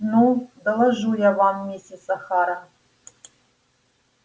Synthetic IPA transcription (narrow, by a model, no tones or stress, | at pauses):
nud̪ɐlˠɐʒujavamːesʲesʼɐχaːɾɐ